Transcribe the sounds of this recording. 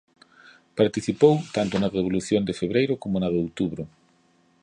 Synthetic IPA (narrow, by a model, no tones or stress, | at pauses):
paɾt̪iθipowt̪ant̪ʊnɐðeβoluθjond̪ɪfeβɾejɾʊkomʊnɐðeowt̪uβɾʊ